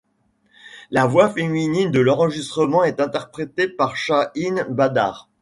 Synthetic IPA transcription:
lavwafeminind̪əlɑ̃ʁəʒist̪χəmɑ̃ɛt̪ɛ̃t̪ɛʁpχet̪epaʁʃainbad̪a̰ːʁ

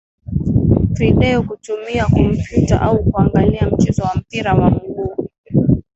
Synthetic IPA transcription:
tɾiɗɛɔkutumiakɔm̩pjuta̰ʔaukuaŋɡaliam̩t͡ʃɛzɔwam̩piɾawamulu

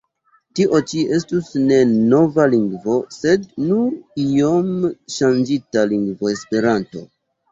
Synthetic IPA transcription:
tiʔo̞t͡ʃie̞s̬tusne̞no̞valiŋɡvo̞se̞d̚nuɾiomʃand͡ʒitaliŋɡvo̞e̞spe̞ɾanto̞̰

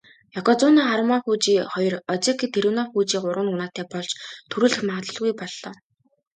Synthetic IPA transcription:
jɔkɔt͡sɔnaːχaɾəmaxuːt͡ɕiːχɔjɞ̆rɔt͡sekit̪ʰeɾuwnaːxuːt͡ɕiːɢʊɾwə̆nʊnaːt̪æːpɔɮt͡ɕt̪ʰuɾɘ̆ɮɘ̆xmaːt̪ə̆ɮɣujpɔɮːɔː

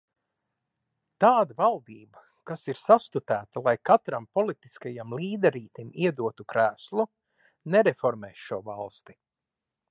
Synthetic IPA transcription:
t̪aːd̪avalˠd̪iːbɐ | kasiɾsast̪ut̪æːt̪alˠajkat̪ɾampɔlˠit̪i̥skajamlˠiːd̪ɛɾiːt̪imiɛd̪uɔt̪ukɾæːslˠu | nɛɾɛfɔɾmɛːʃʃuɔvalˠst̪i̥

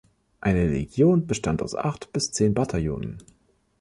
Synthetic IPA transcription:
ʔaɪnəlḛɡjoːnbəʃtantaʊsʔa̰χtb̥ɪst͡seːnbatʰaljo̰ːnə̰n

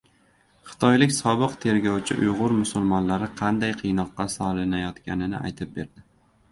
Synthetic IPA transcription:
χɨ̥t̪ʰɒjlɪkʲsɒbɨqt̪ʰe̞ɾɡʲɒwt͡ʃʰɪ̰ʔʊjʁʊɾmʊsʊlˠmɒnlaɾɪqʰɑnd̪ajqʰɨjnɒqːɑsɒlˠɪnajɒt̪kʲanɪnɪ̰ʔa̰jt̪ʰɪp̚be̞ɾd̪ɪ

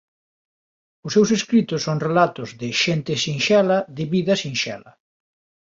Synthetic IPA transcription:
ʊsːewseskɾit̪ʊsːoŋrelat̪ʊzðɪʃent̪ɪsiŋʃɛlɐðɪβiðɐsĩŋʃɛ̰lɐ̰

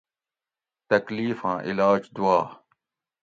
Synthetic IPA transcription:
t̪ɐkliːfãːʔɪlaːd͡ʒd̪uaː

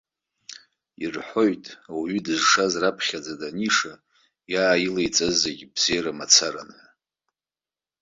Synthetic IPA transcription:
irħʷo̞jtʼawɥidɨzʂazrapʰχʲad͡zadaniʂa | jaːjilejt͡sʼɨzeɡʲbz̥ejɾamat͡sʰaɾa̰nħʷa

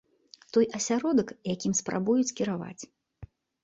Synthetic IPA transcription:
t̪ɔjʔɐsʲaɾɔd̪ɐkjakʲimspɾa̰bujut͡sʲkʲiɾava̰t͡sʲ

